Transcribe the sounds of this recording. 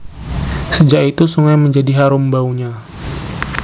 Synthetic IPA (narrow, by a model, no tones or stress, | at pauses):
səd͡ʒakit̪usuŋajməɲd͡ʒadiɦaɾʊmbauɲa